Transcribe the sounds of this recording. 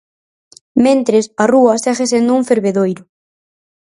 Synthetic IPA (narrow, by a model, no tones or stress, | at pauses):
mẽnt̪ɾesaruɐsaxes̬end̪ʊuŋfeɾβeðojɾʊ